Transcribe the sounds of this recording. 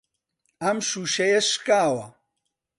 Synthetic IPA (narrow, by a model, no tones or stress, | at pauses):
amʃuʃɛjɛʃkʼaːwa